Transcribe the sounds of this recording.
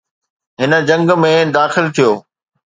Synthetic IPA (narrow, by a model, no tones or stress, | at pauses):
ɦɪnə̆d͡ʑɐ̃ŋɡmẽd̪aːxɪlt̪ʰijoː